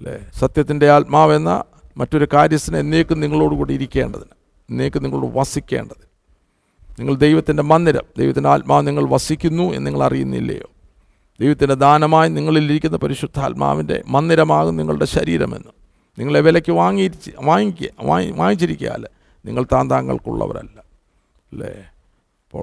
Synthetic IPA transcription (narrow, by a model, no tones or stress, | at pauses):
lḛsɐt̪jɐt̪ːinde̞aːlt̚maːʋe̞nːɐ̰ | mɐtːo̞ɾukaːɾjɐst̪ːɐnɐmenːejokːɨniŋːɐɭo̞ːɽɨkuːɽeiɾikʲːe̞ːɳɖɐðinɨ | enːejokːɨniŋːɐɭoːɽɨʋɐsikʲːe̞̰ːɳɖɐðɨ | niŋːɐɭd̪e̞jʋɐt̪ːinde̞mɐnːiɾɐ̰md̪ejʋɐt̪ːindeaːlt̚maːniŋːɐɭʋɐsikʲːunːuḛnːniŋːɐɭɐ̰rijunːḭlːɐ̰jo̞ː | d̪̥ejʋɐt̪ːinde̞d̪aːnɐmaːjiniŋːɐɭiliɾik̬ʲːunːɐpɐɾiɕud̪ʱːa̰ːlma̰ːʋinde̞̰mɐnːiɾɐmaːɣumniŋːɐɭuɽe̞ɕɐɾiːɾɐ̰me̞̰nːu | niŋːɐɭeʋelɐkʲːɨʋaːŋːiɾit͡ɕːɨʋaːŋikʲːaʋaːŋit͡ɕːiɾikʲːuja̰ːl | niŋːɐɭt̪aːnd̪aːŋːɐ̰ɭkṵɭːɐ̰ʋɐ̰ɾɐ̰lːɐ | lːḛ | ipːo̰ːɭ